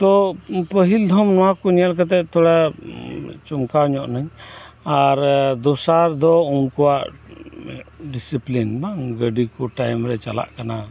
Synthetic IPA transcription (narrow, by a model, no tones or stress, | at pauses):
t̪ɔpəɦild̪ʱɔmnɔwakɔɲalk̬at̪̬ɛʔ̪̚t̪ɔɽa | t͡ʃɔmkaɔɲɔʔnaɲ | aɾd̪ɔsaɾd̪ɔunkɔwaʔ | ɖisiplinbaŋɡəɖikɔʈajmɾɛt͡ʃala̰ʔkana